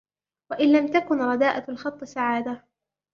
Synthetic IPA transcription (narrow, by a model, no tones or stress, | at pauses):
waʔɪnlamt̪akʊnɾˤɑd̪aːʔalxɑt̪ˤːɨsaʕaːd̪a